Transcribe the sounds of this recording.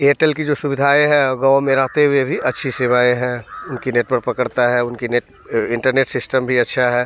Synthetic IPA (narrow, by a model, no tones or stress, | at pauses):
eːʈəlkid͡ʒoːsʊbɪd̪ʱaːeɦɛ̃ɡaːmẽɾɐɦt̪eɦuebʱiʔɐtːʃʰiseʋaːẽɦɛ̃ʊnkineːʈ̚pəɾpɐkəɽt̪aɦɛʊnkineːʈ | ɪ̃ɳʈəɾneːʈsɪsʈəmbʱiɐtːʃʰaɦɛː